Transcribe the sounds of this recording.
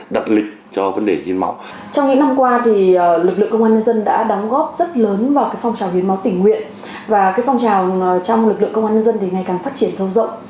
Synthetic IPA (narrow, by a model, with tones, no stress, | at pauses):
ɗa˨˩t̚lï˨˩k̟̚t͡ɕɔ˧və˨˦nɗe˧˩hḭ˧˦nma̰˨˦w | t͡ɕɔ˧wŋ͡mɲɨ̰˧˥ŋna˧mkwaː˧t̪ʰi˨˩˨lɨ˨˩k̚lɨ̰˧˨ŋkə˧ŋ͡mʔaː˧nɲə˧nzə˧nɗa̰ː˧˥ɗɔ˨˦wŋ͡mɣɔ˦˥p̚zə˦˥t̚ləː˨˦nvaː˨˩kaː˨˦jfa˧wŋ͡mt͡ɕaː˨˩whi˨˦ənma˨˦wt̪ï˧˩ŋ̟ːwḭ˧˨ən | vaː˨˩kaː˨˦jfwŋ͡mt͡ɕaː˨˩wt͡ɕɔ˧wŋ͡mlɨ˨˩lɨ̰˧˨ŋkə˧ŋ͡mʔaː˧ɲə˧nzə˧nt̪ʰi˨˩ŋa˨˩jkaː˨˩ŋfaː˦˥t̚t͡ɕi˧˩ənsə˨˧wzə̰˧˨wŋ͡m